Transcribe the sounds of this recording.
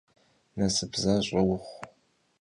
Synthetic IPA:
nɐsɨbzaɕʼɐwʊχʷ

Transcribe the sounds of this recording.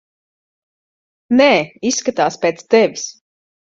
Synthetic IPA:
nɛːisːkat̪aːspeɛt̪st̪ɛvʲis

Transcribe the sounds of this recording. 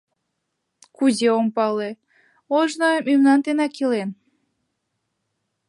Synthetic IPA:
kuzeompɑle | oʒnojmymnɑnt̪enɑkilen

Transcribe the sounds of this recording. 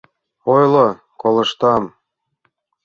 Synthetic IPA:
ojlˠo | kolˠɤ̆ʃt̪ɑm

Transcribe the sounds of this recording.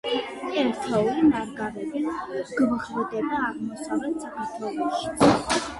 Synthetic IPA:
ɛɾt̪ʰɔulinaɾɡaɾɛbiɡ̥mχvɔd̪ɛbaːʁmɔsavlɛlsakʰaɾt̪ʰwɛlˠɔʃi̥

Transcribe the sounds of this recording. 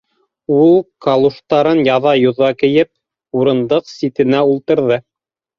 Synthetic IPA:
ulˠkɑlˠuʃt̪ɑɾɤnjɑðɑjŏðɑkɘ̆jɘp̚ | uɾɤ̆nd̪ɤqsit̪ɘ̆næulˠt̪ɤ̆ɾðɤ

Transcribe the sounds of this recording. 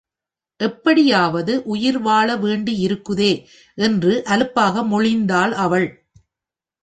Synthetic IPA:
ʔɛpːɐɽɪjaːʋɐðɯʔʊjɪɾʋaːɭɐʋeːɳɖiɪɾɯkːɯðeː | ʔɛndrɯʔɐlɯpːaːɣɐmʊɻɪnd̪aːlɐʋɐɭ

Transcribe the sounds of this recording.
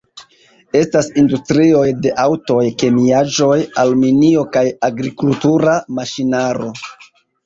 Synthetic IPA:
e̞stasindustɾio̞jde̞ʔawto̞jke̞miaʒo̞jalminio̞kajaɡɾikultuɾamaʃinaɾo̞

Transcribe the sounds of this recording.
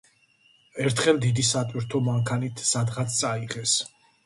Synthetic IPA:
ɛɾt̪ʰχɛlˠd̪id̪isat̪ʼwiɾt̪ʰɔmaŋkʰanit̪ʰsad̪ʁat̪st̪sʼaiʁɛs

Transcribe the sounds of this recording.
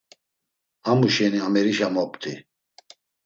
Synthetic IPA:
amuʃɛniamɛɾiʃamɔpt̪ʰʼi

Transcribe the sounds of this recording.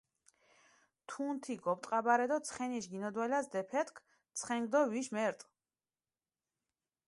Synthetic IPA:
t̪ʰunt̪ʰiɡɔp̚ʼt̪ʼqʼabaɾɛd̪ɔt̪sʰχɛniʃɡinɔd̪wɛlasd̪ɛpʰɛt̪ʰkʰ | t̪sʰχɛŋɡd̪ɔviʃmɛɾt̪ʼ

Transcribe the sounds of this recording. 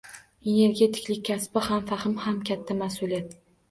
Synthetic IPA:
e̞ne̞ɾɡʲe̞t̪ʰɪ̥kʲlɪk̚ʲʰːaspɪhamfahɪmhamkʲʰat̪ʰːamasʊlijat̪

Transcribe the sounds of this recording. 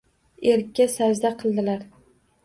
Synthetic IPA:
eɾkʲːasad͡ʒd̪aqʰɨlˠd̪ɪlaɾ

